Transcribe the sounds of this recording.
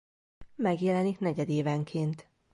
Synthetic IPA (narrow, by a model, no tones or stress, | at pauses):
mɛɡjɛlɛniknɛɟɛd̪eːvɛŋkʰeːnt̪